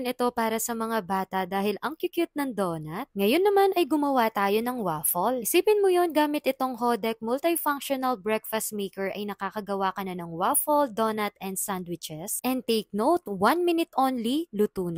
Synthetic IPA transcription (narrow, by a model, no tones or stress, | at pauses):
nɪt̪o̞paːɾɐsɐmɐŋabaːt̪ɐd̪aːhɪlɐŋkɪkjʊt̪̚nɐŋd̪oːnɐt̪̚ŋɐjonːɐmanɐjɡʊmɐwat̪aːjo̞nɐŋwaːfolʔɪsiːpɪnmʊjonɡaːmɪt̪ʔɪt̪o̞ŋɦod̪ɛk̚mʊlt̪ɐfaŋkʃonɐlbɹɛkfɐst̪̚meːkɛɹʔɐjnɐkaːkɐɡɐwakɐnɐnɐŋwafold̪onɐt̪ɛnd̪sand̪wɪt͡ʃɛsʔɛnd̪t̪ejk̚nowt̪̚wanmɪnɪt̪ʔonlilʊt̪uːn